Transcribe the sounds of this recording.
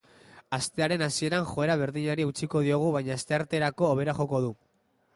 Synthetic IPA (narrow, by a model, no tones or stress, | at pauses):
ast̪e̞aɾe̞nasie̞ɾanxo̞e̞ɾaβ̞e̞ɾðiɲaɾiut͡siko̞ðio̞ɣ̞uβajɲaːst̪e̞aɾt̪e̞ɾako̞ːβ̞e̞ɾaxo̞ko̞ð̞u